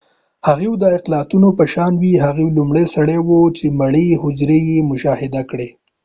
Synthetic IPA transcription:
haɣewd̪əɪqlɑt̪unopəʃɑnwiɦaɣewlumɽesaɽewot͡ʃemaɽehʊd͡ʒɾejemʊʃɑhɪd̪akɽe

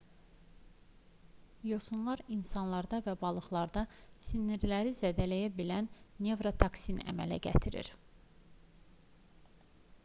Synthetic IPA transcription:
josunlˠɑɾinsɑnlˠɑɾd̪ɑvæbɑlˠɯχlˠɑɾd̪ɑsinːiɾlæɾizæd̪ælæjæbilænːe̞vɾot̪ʰɑksinæ̰mæ̰læ̰ɟæ̰t̪ʰiɾḭɾ

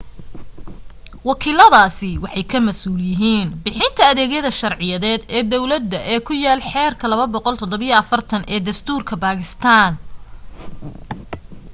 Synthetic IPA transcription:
wɑkʰiːlɐðaːsɪwɑħɑjkʰɐmɐsuːljɪɦiːnbɪħɪnt̪ʰɐːðɛːɣjɐðɐʃɐrʕɪjɐðɛːd̪ɛːd̪ɔwlɐd̪ːɐʔɛːkʰʊjaːlħɛːrkʰɐlɐβɐbɔqɔlt̪ʰɔd̪ɔβijɐɐfɐrt̪ʰɐnʔɛːd̪ɐst̪ʰuːrkʰɐbaːkʰɪst̪ʰaːn

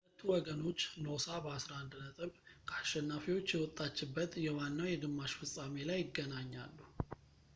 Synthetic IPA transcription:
lət̪ʰːuwɔɡəno̞t͡ʃːnosabəasɾaʔand̪nət̪ʼɨβkʰəaʃːɛnːafiwot͡ʃːjɛwɔt̪ʼːat͡ʃːɪbːət̪jɛwanːawjɛɡɨmːaʃfɨsʼamelajːɪɡːənaɲːalːu

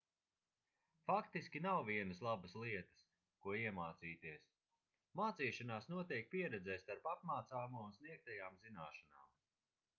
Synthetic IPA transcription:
fakt̪iskʲinawviɛnəslˠabəslˠiɛt̪ə̥s | kuɔiɛmaːt̪siːt̪iɛs | maːt̪siːʃanaːsnuɔt̪ɛjk̚piɛɾɛd̪zɛjst̪aɾpap̚maːt̪saːmuunsniɛk̚t̪ajaːmzinaːʃanaːm

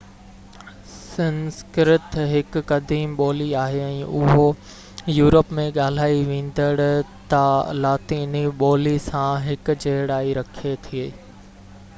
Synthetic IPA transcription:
sɐ̃nskɾɪt̪ɦɪkːɐd̪iːmɓɔːliaːɦeɛ̃ːʔʊɦo | juːɾəpmẽɠaːl̤aːiʋẽːn̆d̪əɽʊ̆t̪ɐlaːt̪iːniɓɔːlisãɦɪk̆d͡ʑeɦɪɽaːiɾɐkʰet̪ʰieː

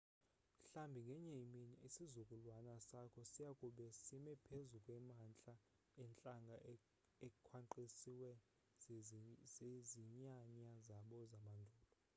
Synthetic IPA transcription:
ɬambʱiŋɡʱɛɲeiminiisizukʼulwanasakʰɔsijakʼuɓɛsimɛpʰezukʼwɛmant͡ɬʼa | ɛnt͡ɬʼaŋɡʱa | ekʼkʰwaǃisiwɛ | zeziɲaɲazaɓɔzamandʱuːɔl

